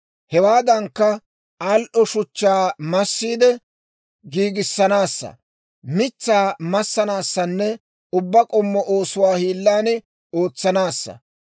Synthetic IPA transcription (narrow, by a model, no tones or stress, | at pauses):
hɛwaːd̪ɐŋkːɐ | ɐlʔɔʃʊt͡ʃːaːmɐsːiːd̪ɛ | ɡiːɡɪsːɐnaːsːɐ̰ | mɪt͡sːaːmɐsːɐnaːsːɐnːɛ | ʊbːɐkʼɔmːɔʔoːsʊwaːhiːlːaːnɛ | o̞ːt͡sːɐnaːsːɐ̰